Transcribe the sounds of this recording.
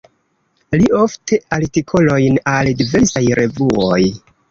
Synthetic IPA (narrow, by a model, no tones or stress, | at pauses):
liʔo̞ftʰe̞aɾtikʰo̞lo̞jnaldive̞ɾsajɾe̞vuoj